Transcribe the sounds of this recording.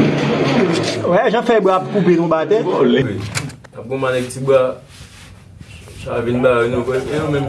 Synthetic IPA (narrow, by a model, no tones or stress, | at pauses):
wɛʒãfɛbɣaap̚kũpenũbat̪ɛtolewina̰p̚ɡõmanɛ̃k̚tiba | ʃa̰vinbaɡɛnũɛenõmɛ̃m